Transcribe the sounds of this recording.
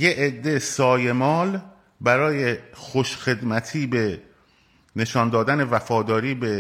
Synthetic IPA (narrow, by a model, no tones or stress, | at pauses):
jeʔːd̪ːesɒːje̞mɒːl | bæɾɒːje̞xoʃxe̞d̪mæt̪ʰiːbe̞ | ne̞ʃɒːnd̪ɒːd̪æne̞væfɒːd̪ɒːɾiːbe̞